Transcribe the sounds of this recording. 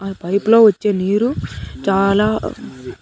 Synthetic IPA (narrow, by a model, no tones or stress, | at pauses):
pɐjplo̞ːʋɐt͡ʃːeːniːɾut͡ʃaːlaː